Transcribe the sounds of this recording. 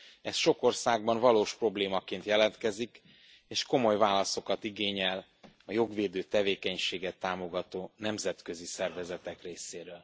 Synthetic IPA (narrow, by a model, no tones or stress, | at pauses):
ɛsʃo̞ko̞rsaːɡ̚bɒɱvɒloːʃpro̞bleːmɒkeːnt̪jɛlɛnt̪kɛzik | eːʃko̞mo̞jvaːlɒso̞kɒt̪iɡeːɲɛl | ɒjo̞ɡʋeːd̪øːt̪ɛveːkɛɲʃeːɡɛt̪ːaːmo̞ɡɒt̪oːnɛmzɛt̪kø̞zisɛrvɛzɛt̪ɛkreːseːɾøːl